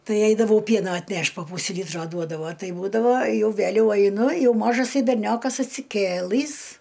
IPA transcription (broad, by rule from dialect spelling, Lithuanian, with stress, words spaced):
ˈtɐɪ ˈɛɪdɐʋɐʊ ˈpʲiɛnoː ɐtʲˈnʲɛʃʲtʲ poː ˈpuːsʲɪ ˈlʲiːtroː ˈduɔdɐʋoː ˈtɐɪ ˈbuːdɐʋoː ˈjɛʊ ˈʋʲælʲɛʊ ɐɪˈnʊ ˈjɛʊ ˈmoːʒɐsɐɪ bʲɛrʲˈnʲoːkɐs ɐtʲsʲɪˈkʲeːlˠɨs